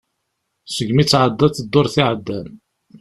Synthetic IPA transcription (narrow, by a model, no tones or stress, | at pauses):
səɡmit͡sːʕəd̪ːɑθəd̪ːoɾˤθiʕəd̪ːæn